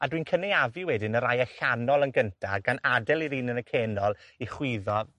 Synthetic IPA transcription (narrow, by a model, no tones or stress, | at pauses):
adwinkʰənejavɪwɛdɪnəɾajaɬanɔlˠənɡəntʰaɡanadɛlˠiɾiːnənəkʰeːnɔlˠiχwɪðɔ